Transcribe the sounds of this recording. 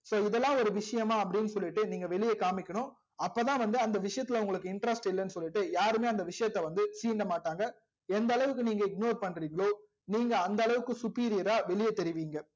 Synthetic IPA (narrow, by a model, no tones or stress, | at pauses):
soːɪðɛlːãːɔɾɯʋɪʂɐjɐmaːɐpːɐɽɪnːɯsɔlːɪʈːɯniːŋɡɐʋɛɭɪjɐkaːmɪkʲːɐɳʊ̃ | ɐpːoːt̪ãːʋɐnd̪ɯɐnd̪ɐʋɪʂɐjɐt̪ːɪlɐʊŋɡɐɭɯkːɯɪɳʈɾɐsʈɪlːɐnːɯsɔlːɪʈːɯjaːɾɯmeːɐnd̪ɐʋɪʂɐjɐt̪ːɛʋɐnd̪ɯsiːɳɖɐmaːʈːaːŋɡɐ | ɛnd̪ɐɐɭɐʋɯkːɯniːŋɡɐɪɡ̚noːɾpɐɳːɾiːŋɡɐɭoː | niːŋɡɐɐnd̪ɐɐɭɐʋɯkːɯsʊpiːɾɪjɐɾaːʋɛɭɪjɐt̪ɛɾɪʋiːŋɡɐ